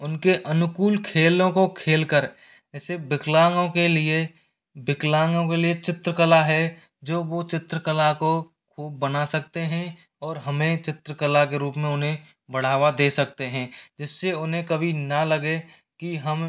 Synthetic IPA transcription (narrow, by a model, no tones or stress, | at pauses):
ʊnkeʔɐnʊkuːlkʰeːlõkokʰeːlkəɾ | ɛːsebɪklaːŋɡõkelie | bɪklãːŋɡõkeliet͡ʃɪt̪ɾəkəlaɦɛ | d͡ʒoːʋot͡ʃɪt̪ɾəkəlako | kʰuːbːənasɐk̚t̪eɦɛ̃ | ɔːɾɦɐmẽt͡ʃɪt̪ɾəkəlakeɾuːpmẽʊnɦẽ | bəɽ̤aːʋad̪eːsɐk̚t̪eɦɛ̃ːd͡ʒɪsːeʊnɦẽkɐbʱinɐləɡe | kiɦəm